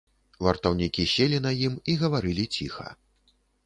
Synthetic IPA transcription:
vɐrt̪ɐwnʲikʲisʲelʲinɐjimiɣɐvaɾɨlʲit͡sʲixɐ̰

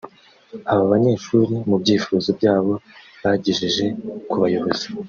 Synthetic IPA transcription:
aβaβaɲe̞ːʃuːɾimubɟiːfuːzo̞bɟaːβo̞βaɟiʒiʒe̞kuβajoβo̞z̥i̥

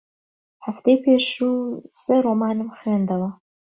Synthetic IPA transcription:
ħaft̪ejpʰeːʃuːz̥ɨɾoːmaːnɨmχwend̪ɐwɐ

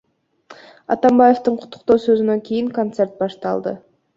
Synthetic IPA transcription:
ɑ̰t̪ɑmbaje̞ft̪ɯɴqʰʊ̥t̪ːʊ̥q̚t̪o̞ːsø̞zynø̞ŋkʲʰijiŋkont̪se̞rt̪̚bɑʃt̪ɑ̰lˠd̪ə̰

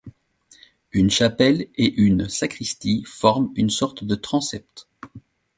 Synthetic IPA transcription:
ynʃapɛleʔynsakχist̪ifɔʁmynsɔʁt̪d̪ət̪χɑ̃sɛp̚t̪

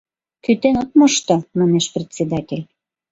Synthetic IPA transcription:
kyt̪enot̪̚moʃt̪omɑneʃpret͡sʲed̪ɑtʲelʲ

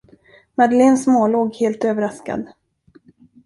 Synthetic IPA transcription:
mad̪əleːnsmoːloːɡheːlt̪øːvəɾaska̰d̪

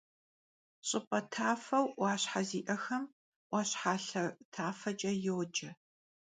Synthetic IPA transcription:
ɕʼɪpʼɐtʰaːfɐwwʷɑːɕħaziːʔɐxɐm | wʷɑːɕħaːɬɐtʰaːfɐd͡ʒʼɐjɪwd͡ʒɐ

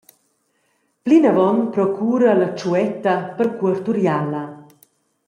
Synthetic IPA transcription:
plinavɔnpɾɔkʰuːɾalat͡ʃuɛt̪ɐpəɾkuəɾt̪uɾjalɐ

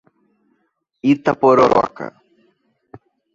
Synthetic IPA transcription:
it̪ːapoɾoɾa̰ka̰

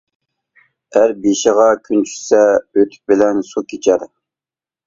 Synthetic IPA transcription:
æɾbeʃəʁɑkʲʰynt͡ʃʰy̥sɛøt̪ʰy̥k̚bɪlɛnsukʲʰit͡ʃʰɛɾ

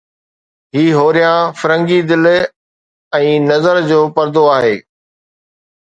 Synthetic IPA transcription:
ɦiːɦoːɾijãfɐɾə̃ŋɡid̪ɪl | ɛ̃ːnɐzəɾd͡ʑoːpɐɾd̪oaːɦeː

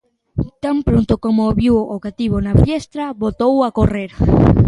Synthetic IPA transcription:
t̪ampɾont̪okomoβiwokat̪iβonaβest̪ɾɐβot̪owakoreɾ

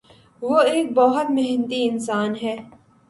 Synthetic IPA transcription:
ʋoeːk̚bɐɦʊt̪mɛɦnt̪iɪnsaːnɦɛː

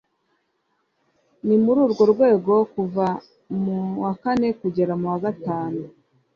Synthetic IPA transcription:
nimuɾuːɾɡo̞ɾɡwe̞ːɡo̞kuva | muwakane̞kuɟe̞ɾamuwaɡataːnu

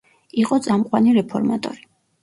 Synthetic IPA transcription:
iqʼɔt̪sʼamqʼwaniɾɛpʰɔɾmat̪ʼɔ̰ɾi

